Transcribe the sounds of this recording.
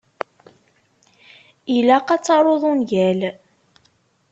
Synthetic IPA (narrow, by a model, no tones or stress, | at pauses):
ilæqɑt͡sːɑɾˤoðˤunʝæl